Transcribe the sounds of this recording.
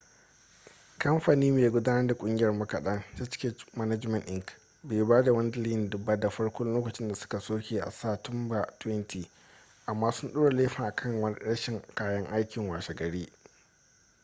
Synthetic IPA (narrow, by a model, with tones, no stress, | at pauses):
kʰɐ˦mɸa˨niː˦meː˨ɡʷʊ˦daː˦nɐ˦rda˨kʷʼʊ˦ŋɡʲjɐ˨rmɐ˦kɐ˨ɗɐ˦ŋtaː˦t͡ʃɪ̥˦kʲe˦mɐ˦nɐ˦d͡ʒmɐ˨nʔɪ˦ŋk | beː˨˦baː˦da˨wɐ˦n˦dliː˦˨ndʊ˨baː˦da˨ɸɐ˦ɽkʷʊ˦lloː˦kɐ˨t͡ʃɪ˦nda˨sʊ̥˦ka˨soː˦kʲeː˨ʔa̰˨sa˦˨tʊ˦mba˨twɛ˦ntʰiː˨ | ʔa˨mːaː˦sʊ˦nɗoː˦ɽa˨leː˦ɸɐ˨ʔa˨kʰɐ˦ŋwɐ˦ɽɐ˦ʃɪ˨ŋkaː˦jɐ˦ŋʔa˦jkʲɪ˨ŋwaː˨ʃɛ˨ɡɐ˨ɽiː˦